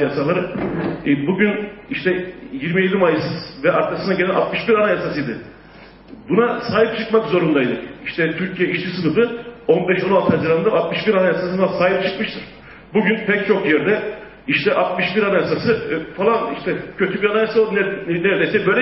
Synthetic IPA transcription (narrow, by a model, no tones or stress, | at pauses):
jasalˠaɾɯ | buɟyniʃt̪ʰɛjiɾmijed̪imajɯsɯzvɛaɾkʰasɯnaɟeæna̰t̪mɯʃbiɾanajasasɯjd̪ɯ | bunasaːɦip̚t͡ʃʰɯkmakzo̞ɾund̪ajd̪ɯiʃt̪ʰɛt̪ʰyɾcʰijɛiʃt͡ʃ̪ʰisɯnɯfɯo̞nbɛʃo̞nalˠt̪ʰɯazɯɾaɯnd̪aat̪mɯʃbiɾanajasasɯnasaːɦip̚t͡ʃʰɯkmɯʃt̪ʰɯɾ̥ | buɟynpʰɛc̚t͡ʃʰo̞kjɛɾd̪ɛ | iʃt̪ʰɛʔat̪̚mɯʃbiɾanajasasɯfalˠaniʃt̪ʰɛcʰø̞t̪ʰybiɾanajasalˠd̪nnɛɾɛd̪ejsɛbø̞jlʲɛ